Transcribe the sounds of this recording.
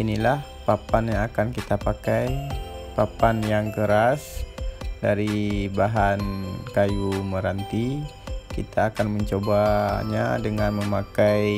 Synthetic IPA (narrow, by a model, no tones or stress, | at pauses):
inilah | papanjaŋakankit̪apakajpapanjaŋkəɾas | daɾibaɦankajuməɾant̪i | kit̪ʰaːkanməɲt͡ʃobaɲa̰dəŋanməmakaj